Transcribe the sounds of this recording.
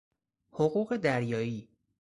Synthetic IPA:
hoɣuːɣe̞d̪æɾjɒːiː

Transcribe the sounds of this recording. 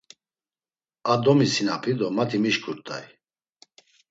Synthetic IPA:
ad̪ɔmisinapʰid̪ɔmat̪ʰimiʃkʼuɾt̪ʼa̰j

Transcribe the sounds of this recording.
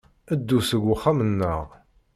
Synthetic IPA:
əd̪ːusəɡʷːʊχːamənːəʁ

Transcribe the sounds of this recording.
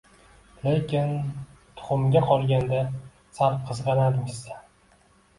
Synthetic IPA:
le̞kʲʰɪnt̪ʰʊ̥χʊmɡʲaqʰɒlˠɡʲand̪a | saɾp̚qʰɨzʁɑnad̪ɪŋzsa

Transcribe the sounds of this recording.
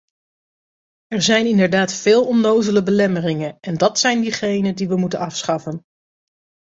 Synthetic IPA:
ɛɹzɛjnɪndəɹdaːtfɪːlˠɔndowzələbəlɛmərɪŋənʔɛndɑtsɛjndiχejnəndiʋəmutənɑfsχɑfən

